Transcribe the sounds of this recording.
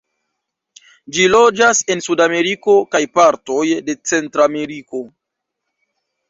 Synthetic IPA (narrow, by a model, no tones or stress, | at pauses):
d͡ʒilo̞d͡ʒase̞nsudame̞ɾiko̞kajpaɾto̞jde̞t͡se̞ntɾame̞ɾiko̞